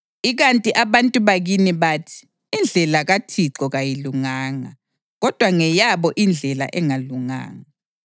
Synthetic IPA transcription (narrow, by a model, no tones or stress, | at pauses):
iɣantʼiʔaβantʼuβaɣiniβaːtʰi̥ː | nd͡ɮʱɛlaɣatʰiǀɔɣajiluŋaːŋa̰ | ɣɔd̥ʱwaŋɛjaβɔʔind͡ɮʱɛla̰ʔɛŋaluŋa̰ːŋa